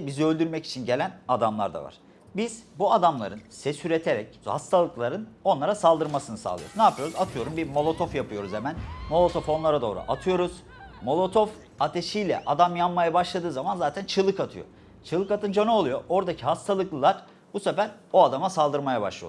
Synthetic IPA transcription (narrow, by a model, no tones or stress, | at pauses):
biziø̞lʲd̪yɾmɛci̥t͡ʃʰinɟe̞lʲænad̪amlˠa̰ɾd̪a̰va̰ɾ̥ | biz̥buad̪amlˠa̰ɾɯnsɛsyɾet̪ʰeɾɛchast̪ʰalˠɯklɯaɾɯno̞nˠaɾasalˠd̪ɯɾmasɯnɯsa̰lˠɯ̰joɾznaːpʰɯjo̞ɾuzat̪ʰɯjo̞ɾumbiɾmo̞lˠo̞t̪ʰo̞fjapʰɯjo̞ɾuzemænmo̞lˠo̞t̪ʰo̞fo̞nlˠaɾad̪o̞ːɾṵʔat̪ʰɯjo̞ɾuz̥ | mo̞lˠo̞t̪ʰof | at̪ʰe̞ʃijlʲɛ̰ʔad̪amjamːajabaʃlˠad̪ɯːzamanzaːt̪ʰænt͡ʃʰɯlˠːɯkat̪ʰɯjo̞̰ | t͡ʃʰɯlˠɯkat̪ɯnd͡ʒonoolˠujo̞ʔo̞ɾd̪acʰiɦast̪ʰalˠɯklˠɯlˠaɾ̥ | busefæɾo̞ad̪amasalˠd̪ɯɾmajaba̰ʃlˠɯj̰o̰